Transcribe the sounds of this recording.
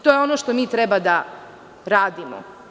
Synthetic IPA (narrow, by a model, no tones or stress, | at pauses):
t̪ojeo̞noʃt̪omiːt̪ɾɛbad̪a | ɾaːd̪imo̰